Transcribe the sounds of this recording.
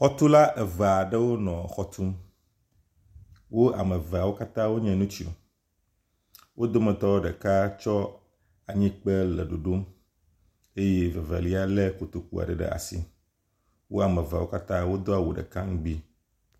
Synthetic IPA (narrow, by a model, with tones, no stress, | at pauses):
xɔ˦t̪u˦la˦ʔe˨ve˨a˨ɖə˦wo˦nɔ̃˨xɔ˦t̪ʰu˦m | wo˦ʔa̰˨me˨va˨wo˦ka˦t̪ã˦wo˦ɲɛ̃˨nũ˦t͡ɕi˦o̰˨ | wʔo˦d̪o˦mɛ̃˨t̪ɔ˦wo˦ɖɛ˨ka˦t͡ʃɔ˦ | a˨ɲĩ˦k͡pe˦lɛ˨ɖo˨ɖo˦m | e˦je˦ve˨vḛ˨li˦a˦le˦ku˨t̪o˨k̚ṵ˦a̰˨ɖɛ˨ɖḛ˨ʔa̰˨sḭ˦ | wo˦a˨mẽ˨va˨wo˦ka˦t̪ã˦wo˦d̪o˦a˨wu˨ɖḛ˨ka˦ŋ̃˦ɡ͡bi˦